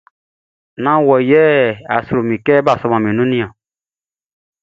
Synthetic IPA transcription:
nã˦wɔ˨jɛ˦a̰˨sɾo˨mĩ˨kɛ˦ba˦˨sɔ˦mã˨mĩ˨nũ˦nĩ˦ã˨

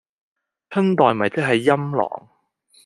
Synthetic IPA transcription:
t͡sʰɐ˥nt̪ɔː˨jm˨ɐ˨jt͡sɐ˥k̚ɦɐ˨jːɐ˥mlɔ̰ː˨˩ŋ

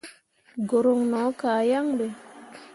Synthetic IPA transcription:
ɡo˨ɾo˨ŋnɔ˨˦kaː˨ja˦ŋbe˨

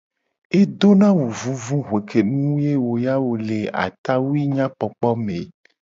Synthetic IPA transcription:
e˦d̪o˦nã˦wu˨vũ˦vũ˦ɦwe˨kʰe˨nũ˦wje˦wo˨ja˦wo˨le˨a̰˨t̪a˦wu˦i˦ɲã˦k͡pɔ˨k͡pɔ˦me˨

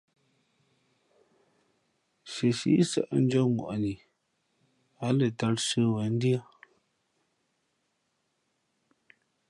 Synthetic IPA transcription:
ʃə˨ʃḭ˦sa̰˦˨ʔn̩˦d͡ʒɔ˦ŋwa̰˨ʔni˨ | a˨˦lə˨ta˦lsə˦wə˨˦n̩˦di˦a˦

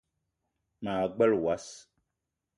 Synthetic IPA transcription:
maː˨ɡ͡bɛ˦lwa˦s

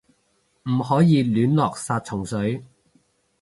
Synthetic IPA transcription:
m̩˨˩hɔː˨˥jiː˧lyː˨˥nlɔː˨k̚saː˧t̚t͡sʰʊ˨˩ŋsɵ˨˥ɥ

